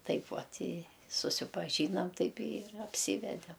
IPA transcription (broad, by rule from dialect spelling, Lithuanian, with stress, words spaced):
ˈtɐɪp ˈʋɐt ɪ sʊsʲɪpɐˈʒʲiːnɐm ˈtɐɪp ɪr ɐpʲˈsʲiːʋʲɛdʲɛm